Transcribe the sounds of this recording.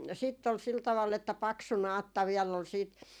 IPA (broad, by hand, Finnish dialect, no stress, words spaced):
sitː ol sil tɑʋɑlː etːæ pɑksu nɑːtːɑ ʋiɛlː ol siːt